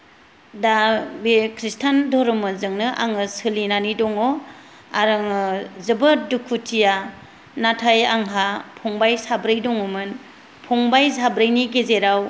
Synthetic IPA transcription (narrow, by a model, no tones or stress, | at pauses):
dabekʰɾistʰandɔɾɔmɯzɯŋnɯʔa̰ŋɯsɯlinanidɔŋɔ | aɾɯŋɯzɯbɯdukʰːutʰija | natʰajaŋɦapʰɔŋbajsabɾɯjdɔŋumɯn | pʰɔŋbajsabɾɯjniɡezeɾaw